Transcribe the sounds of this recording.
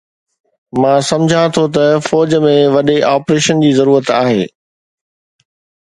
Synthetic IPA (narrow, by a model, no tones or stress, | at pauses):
mãːsɐ̃md͡ʑʱãt̪ʰot̪ɐfɔːd͡ʑmẽʋɐɗeʔaːpɾeːʃənd͡ʑiːzɐɾuːɾət̪aːɦeː